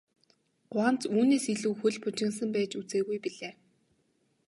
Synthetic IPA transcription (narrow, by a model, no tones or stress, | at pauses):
ɢ̥ʊaːnt͡suːneːsiɮŭwxuɮpʊt͡ɕɪ̆ŋs̬ə̆mpæːt͡ɕut͡seːɣujpiɮeː